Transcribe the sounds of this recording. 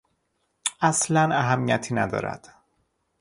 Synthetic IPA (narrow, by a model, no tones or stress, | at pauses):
ʔæslænæɦæmːijæt̪ʰiːnæd̪ɒ̰ːɾæ̰d̪̥